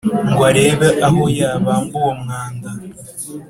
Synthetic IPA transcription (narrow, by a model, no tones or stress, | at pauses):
ŋɡwaɾeːβeʔahojaβaŋɡowomhaːŋda